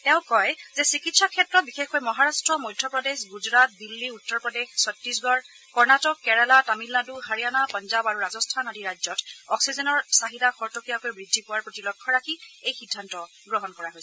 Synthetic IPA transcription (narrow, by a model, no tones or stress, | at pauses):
tɛʊ̃kɔjzɛsikitsɔkʰːɛtːɹɔtbixexkojmɔɦaɹastɹɔmɔjdʱːɔpɹɔdexɡuzɹat̚dilːiutːɔɹpɹɔdexsɔtɹisɡɔɹ | kɔɹnatɔkːɛɹalatamilːaduɦaɹijanapɔnzabaɹuɹazɔstʰanadiɹazɔtɔksizɔnɔɹsaɦidaxɔɹtokijakojbɹidʱːipʊwaɹpɹotilɔkʰːɔɹakʰiejxidʱːantɔ | ɡɹɔɦɔnkɔɹaɦojsɛ